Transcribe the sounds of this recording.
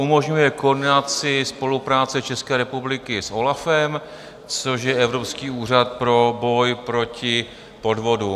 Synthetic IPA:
umo̞ʒɲujɛkordɪnat͡sɪspo̞lupɾaːt͡sɛt͡ʃɛskɛːɾɛpublɪkɪsʔo̞lafɛm | t͡so̞ʃjɛɛvɾo̞pskiːuːr̝at̪̚pɾo̞bo̞jpɾo̞cɪ | po̞dvo̞du

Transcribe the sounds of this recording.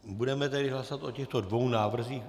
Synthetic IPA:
budɛmɛt̪ɛdɪɦlasovat̪o̞cɛxt̪o̞dvo̞wnaːvr̩ziːx

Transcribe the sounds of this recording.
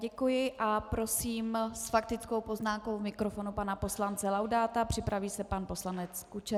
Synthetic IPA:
ɟɛkujɪʔʔapɾo̞siːmsfak̚t̪ɪt͡skowpo̞znaːmko̞wvmɪkɾo̞fo̞nupanapo̞slant͡sɛlawdaːt̪apr̝̥ɪpɾaviːsɛpanpo̞slanɛt͡skut͡ʃɛ

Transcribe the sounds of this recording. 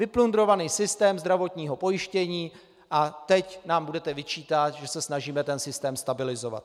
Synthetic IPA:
vɪplund̪ɾo̞vaniːsɪst̪ɛːmzd̪ɾavo̞t̪ɲiːɦo̞po̞jɪʃcɛɲiː | ʔat̪ɛcnaːmbudɛt̪ɛvɪt͡ʃiːt̪at̪ʒɛsɛsnaʒiːmɛt̪ɛnsɪst̪ɛːmst̪abɪlɪzo̞va̰t̪̚

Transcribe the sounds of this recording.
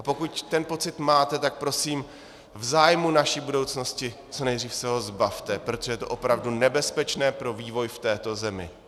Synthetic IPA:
ʔapo̞kuct̪ɛnpo̞t͡sɪt̪maːt̪ɛt̪ak̚pɾo̞siːm | vzaːjmunaʃiːbudo̞wt͡sno̞scɪ | t͡so̞nɛjd̪riːfsɛɦo̞zbaft̪ɛpɾo̞t̪oʒɛjɛt̪o̞ʔo̞pɾavdunɛbɛspɛt͡ʃnɛːpɾo̞viːvo̞jft̪ɛːt̪o̞zɛmɪ̰

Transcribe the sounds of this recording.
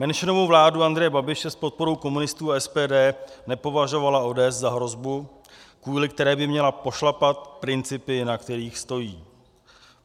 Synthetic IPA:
mɛnʃɪno̞vowvlaːduand̪ɾɛjɛbabɪʃɛspo̞t̪̚po̞ɾo̞wko̞munɪst̪uːaɛspɛːdɛːnɛpo̞vaʒo̞valao̞dɛːszaɦɾo̞zbu | kvuːlɪkt̪ɛɾɛːbɪmɲɛlapo̞ʃlapat̪̚pɾɪnt͡sɪpɪnakt̪ɛɾiːxst̪o̞jiː

